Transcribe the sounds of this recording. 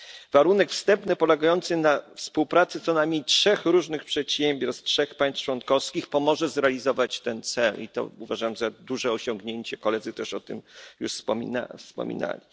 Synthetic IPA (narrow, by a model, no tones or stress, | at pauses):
vaɾunɛkfst̪ɛmpnɘpɔlɛɡajɔnt̪sɘnafspuwpɾat̪sɘt̪sɔnamʲitʂɛxɾuʐnɘxpʂɛt̪ɕɛmʲbʲjɔɾtstʂɛxpaj̃st̪t͡ʂwɔnkɔfskʲixpɔmɔʐɛzɾɛalʲizɔvat͡ɕt̪ɛnt̪sɛlḭt̪ɔ̰uvaʐaamʐɛd̪uʐɛɔɕɔŋɡɲeɲt͡ɕɛkɔlɛd̪zɘt̪ɛʂɔt̪ɘ̰mjuʂfspɔmʲḭna̰fspɔ̰mʲḭna̰lʲi